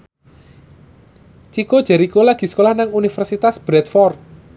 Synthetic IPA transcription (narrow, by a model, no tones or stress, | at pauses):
t͡ʃikod̥ʒ̥ɛ̤ɾikolaɡ̥i̤sə̥kolahnaŋunifɛrsit̪asb̥ɾɛt̪fɔrt̪̚